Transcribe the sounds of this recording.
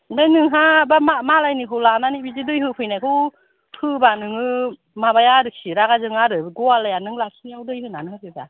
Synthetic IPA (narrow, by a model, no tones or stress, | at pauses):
bajnɯŋɦabamamalajnikʰɯwlananibizidɯjɦɯpʰɯjnajkʰɯw | hʰɯbanɯŋɯ | mabajaɾɯksiɾaɡazɯŋaɾɯɡɔalajanɯŋlasʰiniawdɯjhɯnanɯhɯkʰɯba̰